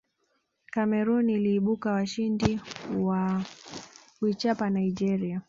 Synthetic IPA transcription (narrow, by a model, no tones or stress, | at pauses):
kamɛɾunːliːɓukawaʃindiwa | wwit͡ʃapanaid͡ʒɛɾia